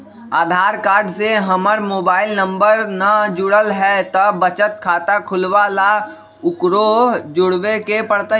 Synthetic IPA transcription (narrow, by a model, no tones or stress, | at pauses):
aːd̪ʱaːɾkaːɾɖseɦəməɾmoːbaːɪlnə̃mbəɾnad͡ʒʊɽəlɦɛt̪əbət͡ʃət̪kʰaːt̪akʰʊlʋala | ʊkɾod͡ʒʊɽwekepəɽt̪a